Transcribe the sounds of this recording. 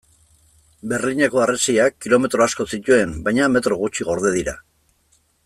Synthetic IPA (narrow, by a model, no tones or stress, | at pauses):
be̞rliɲeko̞aresiakːilo̞me̞t̪ɾo̞asko̞sit̪ue̞mbajɲame̞t̪ɾo̞ɣ̞ut͡ʃiɣo̞ɾðe̞ð̞iɾa̰